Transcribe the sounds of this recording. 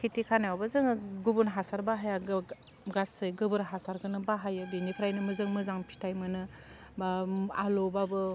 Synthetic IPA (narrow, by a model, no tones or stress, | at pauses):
kʰitikʰanaabɯzɯŋɡubunɦasaɾbaɦajaɡ | ɡasɯjɡɯbɯɾɦasaɾɡɯnɯbaɦajɯbinikʰɾajnɯmɯzɯŋmɯzaŋpʰi̥tʰajmɯnɯ | baalobabɯ